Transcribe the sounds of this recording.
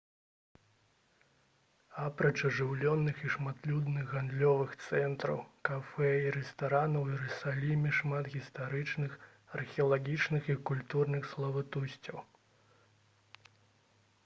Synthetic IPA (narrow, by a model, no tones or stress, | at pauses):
apɾɐt͡ʂɐʐɨwlʲɔnːɨxiʂmat̪lʲud̪nɨɣɣand̪lʲɔvɨxt̪sɛnt̪ɾɐ̰wkafɛiɾɛst̪aɾanɐwiɾɨsalʲimʲiʂmat̪ɣʲist̪aɾɨt͡ʂnɨx | ɐrxʲɛɐlˠaɣʲit͡ʂnɨxikulʲt̪urnɨxslˠɐvat̪usʲt͡sʲɐw